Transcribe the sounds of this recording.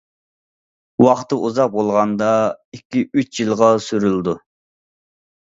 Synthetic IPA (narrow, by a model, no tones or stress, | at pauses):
wɑχt̪ɨʔuzɑq̚bolˠʁɑnd̪ɑikʲʰːiyt͡ʃjilˠʁɑsyɾyld̪u